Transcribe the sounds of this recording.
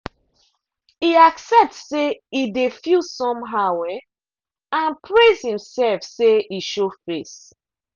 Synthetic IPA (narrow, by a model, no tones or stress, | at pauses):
iaksɛp̚tsseidefusɔ̃mɦawɛ | ãnpʰɹezhĩmsɛlfseiʃofɹes